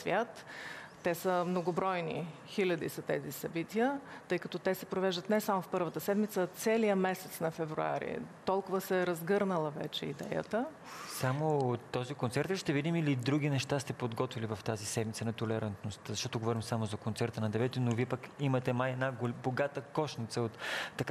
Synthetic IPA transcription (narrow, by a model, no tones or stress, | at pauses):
svʲjat̪ː | ɛsəmnoɡobɾɔjnḭ | xilʲɐd̪ḭsɐt̪ɛzisɐbit̪iət̪ɤjkɐt̪ɔt̪ɛsɛpɾovɛʒd̪ət̪nɛsamofpɤɾvət̪əsɛd̪mit̪sət̪sɛlijəmɛsɛt̪snɐfɛvɾṵa̰ɾḭt̪ɔlˠkʊvəsəɛɾɐzɡɤɾnəlˠəvɛ̰t͡ʃɛid̪ɛ̰jə̰t̪ə | samot̪ːɔzikont̪sɛɾt̪iʃt̪ɛvid̪imilid̪ɾuɡ̟inɛʃt̪ast̪ɛpod̪ɡɔt̪vilivɐft̪azisɛd̪mit̪sənɐt̪olɛɾant̪nost̪zɐʃt̪ɔt̪oɡovɔɾimsamozɐkont̪sɛɾt̪ənɐd̪ɛvɛt̪inoviɛpəkimɐt̪ɛmajɛd̪naboɡat̪əkɔʃnit̪səot̪ːɐk